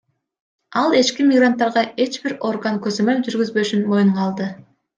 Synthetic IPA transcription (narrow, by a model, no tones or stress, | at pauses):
ɑlˠe̞t͡ʃkimʲiɡrant̪ːɑɾʁɑʔe̞t͡ʃbiɾo̞rɡaŋkøzømø̞ld͡ʒyɾɡyzbø̞ʃynmo̞juɴʁɑːlˠd̪ɯ